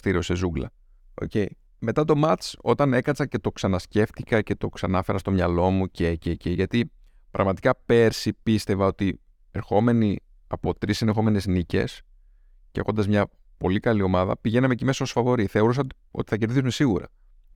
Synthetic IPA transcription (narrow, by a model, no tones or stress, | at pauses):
st̪iɾio̞se̞zuɡlɐ̰ | o̞̰ce̞i | me̞t̪ɐt̪o̞mɐt̪t͡so̞t̪ɐne̞kɐt͡sɐce̞t̪o̞ksɐnɐsce̞ft̪ikɐce̞t̪o̞ksɐnɐfe̞ɾɐst̪o̞mɲɐlo̞mucececeʝɐt̪i | pɾʔɐ̰ɣmɐt̪ikɐpe̞ɾsipist̪e̞vɐo̞t̪i | e̞ɾxo̞me̞ni | ɐpo̞t̪ɾisenexo̞me̞ne̞znice̞̰s | ceɐ̰ko̞nd̪ɐzmɲɐ | po̞likɐlio̞mɐðɐ̰piʝe̞nɐmecime̞sɐosfɐvo̞ɾiθe̞o̞ɾusɐ | o̞̰t̪i̥θɐce̞ɾðisumesiɣuɾɐ̰